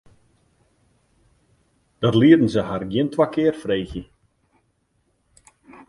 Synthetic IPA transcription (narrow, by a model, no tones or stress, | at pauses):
d̥ɔrliəɾn̩səharɡjɪəntʰwakɪərfreːxjə